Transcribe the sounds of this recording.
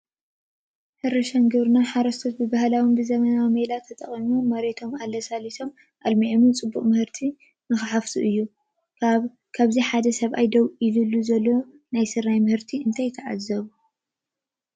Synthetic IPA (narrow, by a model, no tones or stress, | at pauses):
hɨɾɐʃaŋɡɨβɾɨnaħaɾɐst̪ʰot̪bɨbahlawimbɨzɐmɐnawimelat̪ʰɐt̪ʼɐχʼimumɐɾe̞t̪ʰo̞malːɐsalit̪ʰo̞m | ʔalmiʕomnt͡sʼɨbːuχʼmɨhɨɾt̪ʰi | nɨxɨħaft̪ʰuʔɨjːu | kʰaβziħad̪ɐsɐβʔajd̪ɐwʔilɨlːuzɐlːo | najsɨɾajmɨhɨɾt̪ʰiɨnt̪ʰajt̪ʰɐʕa̰zːɐβu